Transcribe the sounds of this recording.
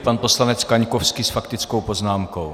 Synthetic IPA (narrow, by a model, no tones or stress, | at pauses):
panpo̞slanɛt͡skaɲkofskisfakt̪ɪt͡skowpo̞znaːmkow